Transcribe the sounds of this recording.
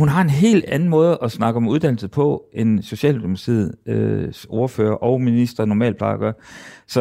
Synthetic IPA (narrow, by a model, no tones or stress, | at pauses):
hunɦɑ̈e̝nɦe̝̰ːld̥æn̩mɔ̽ːð̞̩ˠʔɒ̽snɑ̈ɡ̥əɒ̽muð̞ˠd̥ænl̩sð̩ˠpʰɒ̽e̝nso̝ɕɛ̰ːldimsd̥ʰið̰ˠøo̝ɐføːɐʔɒ̽ʊminisd̥ʁɐnɒmɛ̰ːlpʰlɑ̈ːɐɡ̥ɶɐsɒ̽